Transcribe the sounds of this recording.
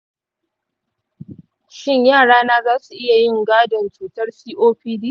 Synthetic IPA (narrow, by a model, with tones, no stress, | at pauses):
ʃɪ˦˨ɲjaː˦˨ɽaː˦naː˦zaː˦su˨ʔɪ˦ja˨jɪ˦˨ŋɡaː˦dɐ˨nt͡ʃuː˨tɐ˦rsiː˦ʔoː˦ɸiː˦diː˦